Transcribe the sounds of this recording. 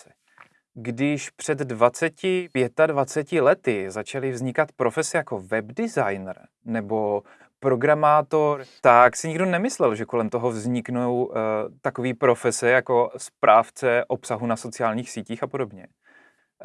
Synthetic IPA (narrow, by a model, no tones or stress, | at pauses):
ɡdɪʃpr̥ɛd̪ːvat͡sɛcɪpjɛt̪advat͡sɛcɪlɛt̪ɪzat͡ʃalɪvzɲɪkat̪pɾo̞fɛsɛjako̞vɛbdɪzajnr | nɛbo̞ | pɾo̞ɡɾamaːt̪o̞ɾt̪aksɪɲɪɡdonɛmɪslɛlʒɛko̞lɛmt̪o̞ɦo̞vzɲɪknowt̪akoviːpɾo̞fɛsɛjako̞spɾʔaːft͡sɛʔo̞psaɦunaso̞t͡sɪaːlɲiːxsiːciːxapo̞do̞bɲɛ